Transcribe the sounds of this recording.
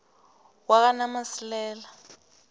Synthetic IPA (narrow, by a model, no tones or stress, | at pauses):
wak̬anamasilɛːla